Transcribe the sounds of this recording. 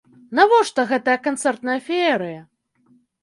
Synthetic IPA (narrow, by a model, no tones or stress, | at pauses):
navɔʂt̪ɔɣɛt̪ɐjɐkant̪sɛrt̪nɐjɐfʲiɛɾɨjɐ